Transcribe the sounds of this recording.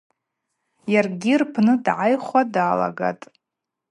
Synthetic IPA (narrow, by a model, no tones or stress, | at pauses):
jarɡʲirpʰnɨdʕajχʷadaːla̰ɡa̰tʼ